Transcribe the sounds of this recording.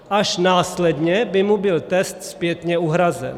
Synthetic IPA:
ʔaʃnaːslɛd̪ɲɛbɪmubɪlt̪ɛst̪spjɛt̪ɲɛuɦɾazɛ̰n

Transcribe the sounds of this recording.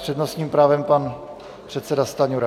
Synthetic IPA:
r̥ɛd̪nosɲiːmpɾaːvɛmpan | pr̥ɛt̪sɛdast̪aɲuɾa

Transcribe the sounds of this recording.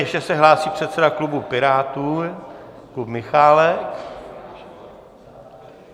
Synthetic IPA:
ɛʃɛsɛɦlaːsiːpr̝̥ɛt̪sɛdaklubupɪɾaːt̪uː | klupmɪxaːlɛk

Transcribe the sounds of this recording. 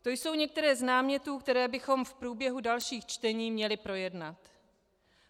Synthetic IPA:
t̪o̞jso̞wɲɛk̚t̪ɛɾɛːznaːmɲɛt̪uːkt̪ɛɾɛːbɪxo̞mfpɾuːbjɛɦudalʃiːxt͡ʃt̪ɛɲiːmɲɛlɪpɾo̞jɛdnat̪

